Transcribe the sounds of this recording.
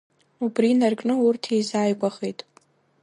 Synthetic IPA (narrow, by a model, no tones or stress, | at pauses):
ubrinarkʼnɨʊrtʰejzaːjkʷʼaχejtʼ